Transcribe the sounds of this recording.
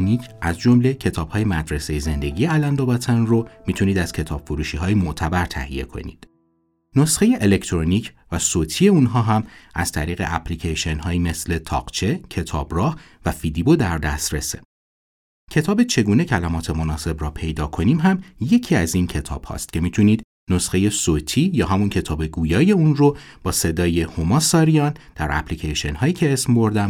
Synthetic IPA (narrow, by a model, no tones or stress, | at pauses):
niːcʰʔæzd͡ʒo̞mle̞cʰe̞t̪ʰɒːb̥hɒːjemæd̪ɾesejeze̞nd̪e̞ɟijeælænd̪obɒt̪ʰænromiːt̪ʰuniːd̪æz̥cʰe̞t̪ʰɒ̰ːb̥fuɾuːʃiːɦɒːjimoʔt̪ʰæbæɾt̪ʰæ̰hḭje̞̰kʰo̞̰nḭd̪̥ | no̞sxe̞je̞ʔele̞cʰt̪ʰɾoniːcʰvæsoːt̪ʰiːe̞unɦɒːɦæmæz̥t̪ʰæɾiːɣe̞̰ʔæpʰlicʰejʃe̞nɦɒːime̞sle̞t̪ʰɒ̰ːɢ̥t͡ʃʰe̞cʰe̞t̪ʰɒ̰ːbrɒːh | væfid̪ibod̪æɾd̪æ̰st̪ɾḛsḛ | cʰe̞t̪ʰɒːbe̞t͡ʃʰe̞ɡuːne̞cʰælæmɒːt̪ʰe̞mo̞nɒːse̞brɒːpʰe̞jd̪ɒːkʰo̞niːmɦæmje̞cʰiːæzincʰe̞t̪ʰɒ̰ːb̥hɒ̰st̪̚cʰe̞miːt̪ʰuniːd̪ | no̞sxe̞je̞soːt̪ʰiːjɒːɦæmuncʰe̞t̪ʰɒːbe̞ɡuːjɒːje̞unro̞b̥ɒːse̞d̪ɒːje̞homɒːsɒːɾijɒːnd̪̥æɾæ̰plicʰeʃe̞nɦɒːjiːcʰe̞eːsmbo̞ɾd̪æm